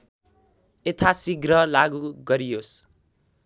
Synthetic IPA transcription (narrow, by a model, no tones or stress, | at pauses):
et̪ʰasiɡrʌlaɡuɡʌɾijos